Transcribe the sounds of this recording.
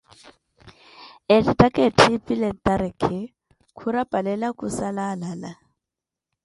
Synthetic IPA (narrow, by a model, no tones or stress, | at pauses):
ɛtitʼakʼetʰipʼilɛt̪ʼaɾɛkʰɛ | kʰuɾapʼalɛlakʼusalalala